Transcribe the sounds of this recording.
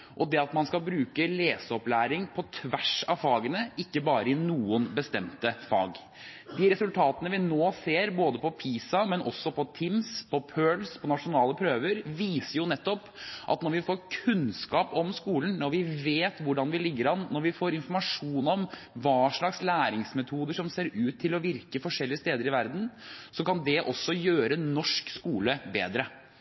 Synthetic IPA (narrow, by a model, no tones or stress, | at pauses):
ʔɔd̪ɛɑt̪mɑnskɑlbɾʉːkəleːsəɔplæːɾɪŋpʰɔt̪ʰʋæʂɑfɑːɡənəɪkːəbɑːɾəɪnuːənbəst̪ɛmt̪əfɑ̰ːɡ | d̪iːɾɛsʉlt̪ʰɑːt̪ənəʋɪnoːseːɾboːd̪əpʰɔpʰiːsɑmɛnʔɔ̰sːɔpʰɔt̪ʰɪmspʰɔpʰøːlspʰɔnɑʂʊnɑːləpʰɾøːʋəɾʋiːsəɾjʊnɛt̪ːɔp | ʔɑ̰t̪nɔɾʋɪfoːɾkʰʉnskɑːpɔmskuːln̩nɔɾʋɪʋeːt̪ʋʊɖɑnʋɪlɪɡːəɾɑnnːɔɾʋɪfoːɾɪnfɔɾmɑʂuːnɔm | ʋɑːʂɭɑkslæːɾɪŋsmɛt̪ʰuːd̪əʂɔmseːɾʉːt̪ʰːɪlɔʋɪɾkəfɔʂɛlːɪəst̪eːd̪əɾɪʋæɾd̪n̩sɔkɑnd̪ɛʔɔsːɔjøːɾənɔʂkskuːləbḛːd̪ɾə